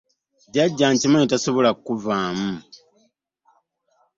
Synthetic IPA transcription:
ɟaɟːaːɲcimoetasoβo̞lakuvaːmu

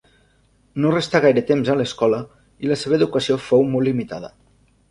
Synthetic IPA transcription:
norest̪aɣ̞ajɾət̪emzələskɔlə | iləseβəeðukəsiofowmolːimit̪a̰ðə̰

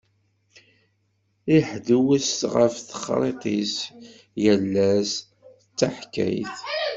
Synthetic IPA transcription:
iħðuwəsʁəfθə̥χɾˤeq̪is | jəlːæs | t͡sːaħkæ̰jθ

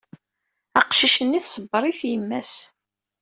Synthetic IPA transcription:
æqʃiʃənːiθsəbːəɾˤiθjəmːæs

